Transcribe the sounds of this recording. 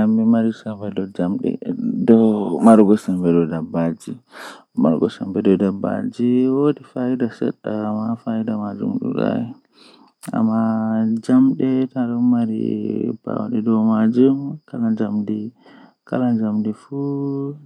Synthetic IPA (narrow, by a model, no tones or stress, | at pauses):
amːimaɾisambɛdɔd͡ʒamɗɛ̰dɔmaɾɡɔsambɛdɔdabːad͡ʒi | ma̰ɾɡɔsambɛdɔdaba̰d͡ʒiwodifaidasɛ̰ɗːamafaidamad͡ʒṵmɗṵɗa̰jɛ | a̰mːad͡ʒamɗɛtaɗɔmaɾḭb̥a̰wɗɛdɔmad͡ʒumkalad͡ʒamdi | kalad͡ʒamdifu